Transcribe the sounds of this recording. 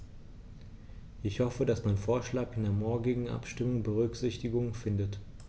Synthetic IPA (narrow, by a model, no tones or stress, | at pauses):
ʔɪçhɔfədasmanfoːɐʃlaːkɪndeːɐmɔɐɡɪɡŋ̩ʔa̰pʃtɪmʊŋbəʁ̞ʏkz̥ɪçtɪɡʊŋfɪndət